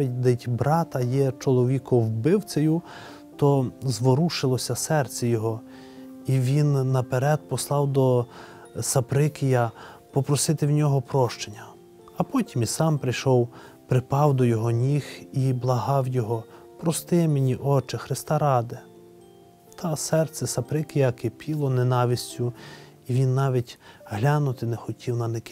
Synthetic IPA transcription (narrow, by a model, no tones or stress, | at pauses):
itʲd̪ɪtʲbɾɑt̪ɐjɛt͡ʃɔlˠɔʋʲikɔwbɪwt͡sʲejʊ | t̪ɔzʋɔɾuʃɪlˠɔsʲɐsɛrt͡sʲɛjɔɦɔ | iʋʲinːɐpeɾɛd̪̚pɔslˠɑwd̪ɔ | sɐpɾɪkʲɪjɐpɔpɾɔsɪt̪ɪwnʲɔɦɔpɾɔʃt͡ʃenʲːɐ | ɐpɔtʲimisɑmpɾɪjʃɔw | pɾɪpɑwd̪ɔjɔɦɔnʲixiblˠɐɦɑwjɔɦɔ | pɾɔst̪ɪmenʲiʔɔt͡ʃɪxɾɪst̪ɑɾɑd̪e | t̪ʰɐsɛrt̪sʲɛsɐpɾɪkɪjɐkɪpʲilˠɔnenɑʋʲisʲt͡sʲʊ | iʋʲinːɑʋʲitʲɦlʲɑnʊt̪ɪnexɔtʲiwnɐnekɪ